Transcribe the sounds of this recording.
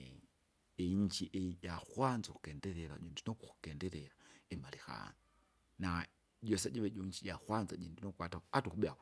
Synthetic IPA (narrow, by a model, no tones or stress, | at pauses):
eɲd͡ʒiʔejaxwaːnzaxu̥keːndeɾela̰iːndinokuxu̥keːndeleɾaemalixa̰no | na | ɟosaɟiβeɟoɲd͡ʒijaxwaːnzaɟiːndinokwaːtaatuxuɓeao